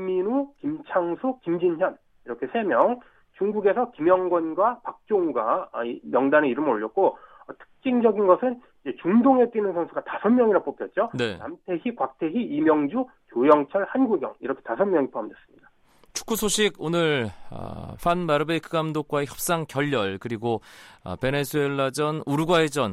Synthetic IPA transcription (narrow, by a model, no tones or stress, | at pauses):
imːinukimt͡ɕʰaŋsʰukimd͡ʑinçjʌn | iɾʌkʰe̞sʰe̞mjʌŋ | t͡ɕuŋɡuɡe̞sʰʌkimjʌŋɡwʌnɡwapak̚t͡ɕ͈oŋuɡa̰imjʌŋdaneiɾɯmɾoʎːʌk̚k͈o | ʌtʰɯ̥k̚t͡ɕ͈iŋd͡ʑʌɡinɡʌsʰɯn | id͡ʑe̞t͡ɕuŋdoŋɦe̞t͈winɯnsʰʌnsʰuɡatasʰʌnmjʌŋiɾap͈opʰjʌt̚t͡ɕ͈onena̰mtʰeçikwak̚tʰe̞ɦiimjʌŋd͡ʑu | kjojʌŋt͡ɕʰʌɭhanɡuɡjʌŋiɾʌkʰe̞̥tasʰʌnmʲjʌŋipʰoamdwe̞s͈ɯmɲida | t͡ɕʰu̥k͈ʰusʰoɕʰiɡonɯɭʌ̰ɸwanmaɾɯbeikʰɯɡamdok̚k͈waeçjʌp̚s͈aŋkjʌʎːʌɭkɯɾiɡo̰pe̞ne̞sʰue̞ɭːad͡ʑʌnuɾuɡwaɦed͡ʑʌn